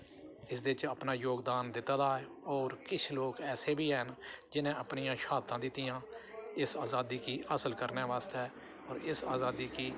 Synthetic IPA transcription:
ɪsd̪eɪt͡ʃaːpnaːjoːɡd̪aːnd̪ɪt̪ːaːd̪aːɛ | ɔːɾkɪt͡ʃʰloːkɛːseːbʱiːɛɦənd͡ʒɪnẽːəpnijãːʃaːt̪ãːd̪ɪt̪ːijãːɪsaːzaːd̪iːkiːəsəlkəɾnɛːʋaːst̪ɛː | ɔːɾɪsaːzaːd̪iːkiː

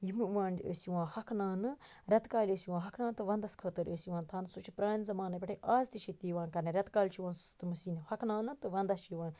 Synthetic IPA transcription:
jimɨʋãːndʲə̰ːsiʋãːhɐkʰnaːnɨ | ɾʲɐt̪kaːlʲəːsiʋãːɦɐkʰnãːnt̪ɨʋɐnd̪ɐskʰəːt̪əɾəːsiʋãːnt̪ʰaːnsut͡ʃʰi̥pɾaːnzɐmaːnɐpʲɐʈʰiʔaːzt̪it͡ʃʰit̪iːʋãːnkɐnɐɾʲɐt̪kaːlʲt͡ʃʰiʋaːnst̪ɨmɐsiːnɐhɐkʰnaːnɨt̪ɨʋɐnd̪ɐt͡ʃʰiʋaːn

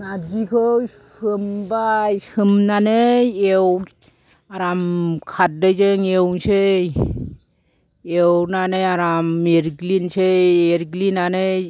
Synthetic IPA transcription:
nadikʰɯsɯmbajsɯmnanɯew | aɾamkʰat̚dɯjzɯŋewnsɯj | ewnanɯaɾamːeɾɡlinsɯjeɾɡlinanɯ

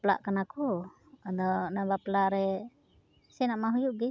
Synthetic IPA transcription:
pla̰ʔkanakɔ | ad̪ɔnabaplaɾɛ | sɛnaʔmaɦujuʔɡi

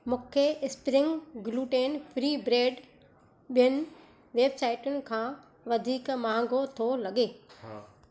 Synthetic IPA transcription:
mʊ̃ːkʰeʔɪspɾɪ̃ŋɡɡluːʈeːnpʰɾiːbɾeːɖ | ɓijənɪ̆ | ʋeːbsaːɪʈʊnɪ̆kʰãː | ʋɐd̪ʱiːkmãːŋ̆ɡʱot̪ʰolɐɠeː

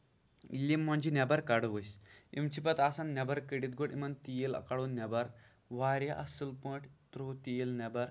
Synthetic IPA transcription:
ilːimːaɳd͡ʑinabaɾkaɽʋəjsḭmt͡ɕipɐt̪asanːabaɾkəɽit̪̚ɡoɽḭmɐnt̪ijelɐ̰kaɽonnabaɾ | ʋaɾjaʔasɨlpə̃ʈʰt̪ɾot̪ijelnabaɾ

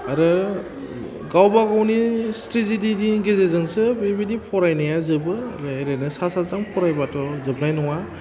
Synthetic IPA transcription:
aɾɯ | ɡawbaɡawnistɾizididiɡezezɯŋsɯbebidipʰɔɾajnajazɯbɯa̰ɾɯeɾenɯsasazaŋpʰɔɾajbatɔzɯb̚najnɔŋa

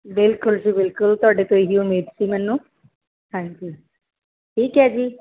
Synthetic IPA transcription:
bɪlkʊlsiːbɪlkʊlt̪ʊaːɖet̪oeɦiʊmiːd̪simɛːnːũː | hãːɲd͡ʒiː | ʈʰiːkɦɛd͡ʒiː

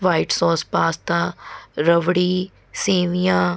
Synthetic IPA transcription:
ʋaːiʈsɔːspaːst̪ãːɾəʋɽiː | seːʋijãː

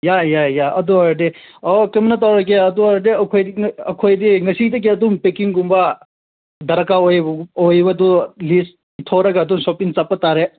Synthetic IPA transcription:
jajajaɐduaɾdeɔkemɐnɐtawɾɐk̬eɐduaɾdeɐkʰojdiɐkʰojdiŋɐsidɐk̬eɐdumpekiŋɡumba | dɐɾɐkaojojbɐdulis | tʰoɾɐɡaːdumsopiŋt͡ʃapːataɾe

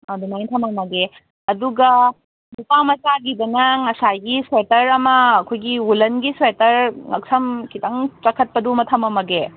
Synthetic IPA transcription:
adunajntʰɐmɐmɐɡe | ɐduɡɐ | dupamɐt͡ʃaɡidɐnɐŋɐsaɡiswetɐɾɐmɐːkʰojɡiulɐnɡiswetɐɾŋɐ̰ksɐmkitɐŋt͡ʃɐkʰɐt̚pɐdumɐtʰɐmɐmɐɡe

